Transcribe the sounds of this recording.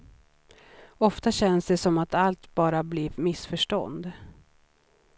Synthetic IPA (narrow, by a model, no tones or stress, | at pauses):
ɔft̪aɕɛnsd̪ɛsɔmat̪alt̪bɑːɾabliːvmɪsfœʂʈɔ̰nd̪